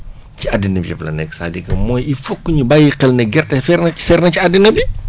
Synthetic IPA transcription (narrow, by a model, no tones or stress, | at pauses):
ciadːinɐbcɛ̰plɐ̰nɛ̰ksa̰ːdikɐmɔːjifukːɲubajiqɛlnɛɡɛrtɛfɛɾnɐi̥sɛɾnɐciadːinɐbi